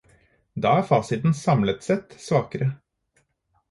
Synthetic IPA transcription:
d̪ɑːæːɾfɑːsɪt̪n̩sɑmlət̪sɛt̪sʋɑːkəɾə

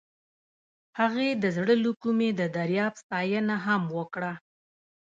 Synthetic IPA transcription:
haɣed̪əzɽəlukumed̪əd̪aɾjɑbst̪ɑjənaɦamwəkɽa

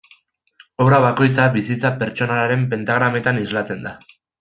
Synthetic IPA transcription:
oβɾaβ̞ako̞jt͡saβisit͡sape̞ɾt͡ʃo̞naaɾe̞mpe̞nt̪aɣ̞ɾame̞t̪anizlat͡se̞nd̪a

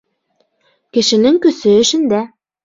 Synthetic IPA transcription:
kɘ̆ʃɘ̆nɘŋkɵ̆sɘ̆ːʃɘ̆nd̪æ

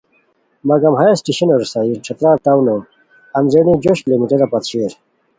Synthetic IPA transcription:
mɐɡɐmɦaesʈiɕɐnoɾsaiʈ͡ʂʰɐt̪ɾaɾt̪awno | ɐnzenid͡ʑoɕlimiʈeɾɐpɐt̪ɕeɾ

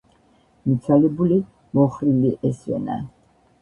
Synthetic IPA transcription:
mit̪sʰalɛbuli | mɔχɾiliʔɛsvɛ̰na̰

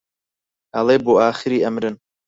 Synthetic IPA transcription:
hɐlˠeːboːaːxɨɾiːɐmɾɨn

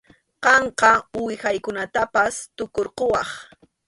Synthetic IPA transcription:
qɑɴqɑʊwɪxajkʊnat̪apast̪ʊkoɾqowɑχ

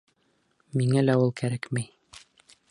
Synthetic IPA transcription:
miŋælæulˠkæɾækmæj

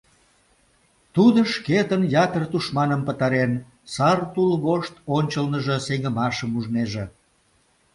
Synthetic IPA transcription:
t̪ud̪əʃket̪ənjɑt̪ərt̪uʃmɑnəmpət̪ɑɾen | sɑrt̪ulɣoʃt̪onʲt͡ɕəlnəʒəseŋəmɑʃəmuʒneʒe

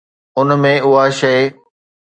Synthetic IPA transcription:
ʊnmẽʊɦaʃɐ

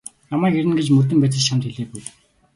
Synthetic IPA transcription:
namæːkeɾɘ̆nɡet͡ɕmɵrt̪̬ɘ̆mpæːt͡sɪ̆ɮt͡ɕʰamt̪ʰxeɮeːpuj

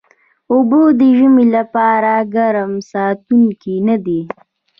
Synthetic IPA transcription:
ʊbod̪əʒəmilapɑɾaɡaɾəmsɑt̪uŋkinad̪i

